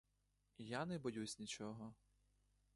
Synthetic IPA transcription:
janɛbɔjusʲnʲit͡ʃɔɦɔ

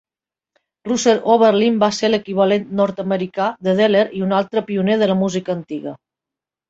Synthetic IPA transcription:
ruseɾoβ̞əɾlimbaseɾləkiβ̞əlent̪nɔɾt̪əməɾikaðəð̞eleɾiunalˠt̪ɾəpiuneð̞ələmuzikəːnt̪iɣə

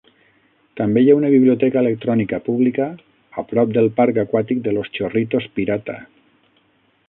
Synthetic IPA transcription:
t̪ambejaunəβiβliot̪ɛkəelək̚t̪ɾɔnikapuβlikəː | pɾɔp̚d̪əlˠpaɾkakwat̪ik̚d̪əlost͡ʃorit̪ospiɾat̪a̰

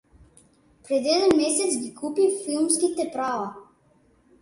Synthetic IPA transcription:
pɾɛd̪ɛd̪ɛnmɛsɛt̪sɡikʰupifilˠmskit̪ɛpɾava

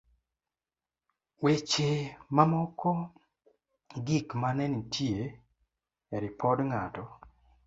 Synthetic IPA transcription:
wet͡ʃemamɔkʰɔ | ɡikmanɛnitʰje | eɾɪpʰɔdŋatɔ

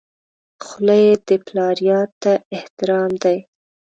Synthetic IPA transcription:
xʊlajed̪əplɑɾjɑt̪ːaɪht̪ɪɾɑmd̪aj

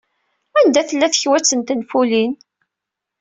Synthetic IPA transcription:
ænd̪æθəlːæθəçwæt͡sːənt̪ənfulin

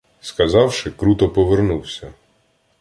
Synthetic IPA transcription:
skɐzɑwʃɪkɾut̪ɔpɔʋernuwsʲɐ

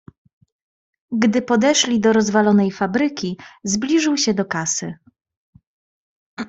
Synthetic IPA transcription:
ɡd̪ɘpɔd̪ɛʂlʲid̪ɔɾɔzvalɔnɛjfabɾɘkʲizblʲiʐɘwɕɛd̪ɔkasɘ

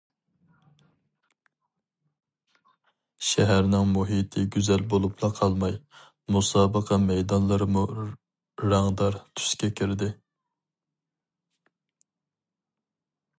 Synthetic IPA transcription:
ʃɛɦæɾnɪŋmuɦit̪ʰɪɡʲyzɛlbolˠupʰlˠɑqʰɑlˠmɑj | musɑːbəqʰɑmɛjd̪ɑnlˠɨɾmu | ɾɑŋd̪ɑɾt̪ʰy̥skʲɛkʲʰiɾd̪ɪ

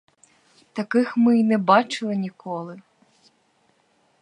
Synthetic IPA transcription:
t̪ɐkɪxmɪinɛbɑt͡ʃɪlˠɪnʲikɔlˠɪ

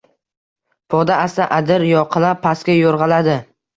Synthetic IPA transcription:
pʰɒd̪aast̪aʔad̪ɪɾjɒqʰɨlˠapʰːaskʲajoɾʁɑlad̪ɪ

